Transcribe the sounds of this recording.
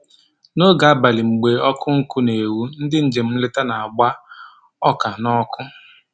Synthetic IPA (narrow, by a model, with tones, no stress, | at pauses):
no˦ɡa˨a˦ba˨lɪ˨ŋ͡m̩˨ɡ͡be˨ɔ˦kʊ˦ŋ̩˦kʊ˦ne˨wu˦n̩˦dɪ˦n̩˦d͡ʒe˨m̩˦lɪ˦ta˦na˨a˨ɡ͡ba˦ | ɔ˦ka˨nɔ˦kʊ˦